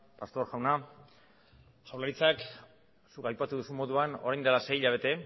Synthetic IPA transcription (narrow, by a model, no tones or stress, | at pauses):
past̪o̞ɾʝawna | ʝawlaɾit͡sak | sukajpat̪uðusumo̞ðuano̞ɾajnd̪elase̞iʎaβ̞e̞t̪e̞